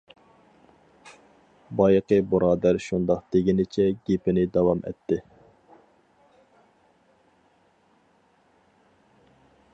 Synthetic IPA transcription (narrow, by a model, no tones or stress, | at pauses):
bɑjqəbuɾɑːd̪æɾʃund̪ɑqt̪eɡʲinɪt͡ʃʰɛɡʲepɪnɪd̪ɑwɑmʔɛ̰t̪ːɪ